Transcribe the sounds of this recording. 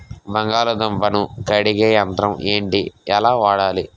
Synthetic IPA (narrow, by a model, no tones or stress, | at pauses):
bɐŋɡaːlɐd̪ɐmpɐnukɐɽiɡeːɐnt̪ɾɐmeːɳʈiɛlaːʋaːɽaːli